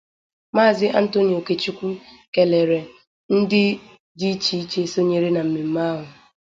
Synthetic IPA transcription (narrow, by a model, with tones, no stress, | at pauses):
maː˦˨zɪ˦ʔa˦n̩˦to˦ni˨o˨ke˦t͡ʃi˦kʷu˦ | ke˨le˨ɾe˨ | n̩˦dɪ˦ | di˦t͡ʃi˦t͡ʃe˦so˦ɲe˦ɾe˦na˨m̩˨me˨m̩˦ma˦ɦʊ˨